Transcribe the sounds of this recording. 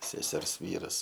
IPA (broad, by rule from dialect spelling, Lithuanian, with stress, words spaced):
sʲɛˈsʲɛrs ˈʋʲiːrɐs